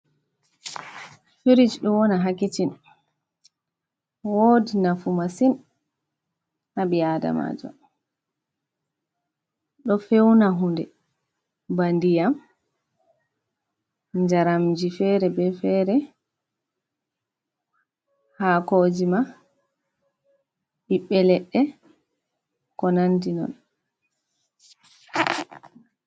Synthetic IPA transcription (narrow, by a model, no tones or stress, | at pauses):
fiɾid͡ʒɗɔwɔnaɦakːit͡ʃin | wodinafumasin | haɓiada̰ma̰d͡ʒɔ̰ | ɗɔfewnaɦundɛ̰ | bandijam | d͡ʒaɾamd͡ʒifɛɾɛbɛfɛːɾɛ | hakoːd͡ʒima | ɓiɓːɛlɛɗːɛ | kɔnantinɔ̰n